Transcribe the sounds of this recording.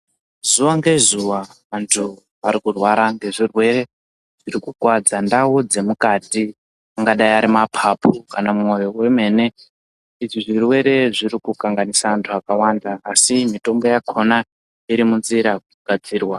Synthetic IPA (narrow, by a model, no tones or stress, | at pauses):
zuwaŋɡe̞zuwaʋantʰu | aɾikurwaɾaŋɡe̞ʐirwe̞re̞ | ʐ̥iɾikukwad͡zandaud͡ze̞mukaːti | aŋɡaɗaiaɾimapʰapʰuka̰namuŋo̞jo̞we̞me̞ne̞ | iʐiʐirwe̞ɾe̞ʐiɾikukaŋɡanisaantʰuakawandaːsimito̞mbo̞jakʰona | iɾimunziɾakuɡ̥ʱad͡ziːrwa